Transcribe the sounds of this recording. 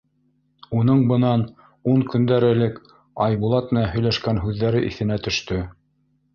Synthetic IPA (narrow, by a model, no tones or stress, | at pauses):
unɤɴbɤ̆nɑn | uŋkɵ̆nd̪æɾɘ̆lɘk | ɑjβulˠɑt̪̚mɘ̆nænɦɵ̆jlæʃkænɦʉðːæɾɘʔḭθɘ̆næt̪ɵ̆ʃt̪ɵ